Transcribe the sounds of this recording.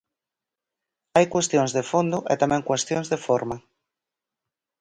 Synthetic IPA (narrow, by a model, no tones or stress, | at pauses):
ajkwest̪jõŋzðefond̪ʊʔet̪amɛ̃ŋkwest̪jõŋzðefoɾma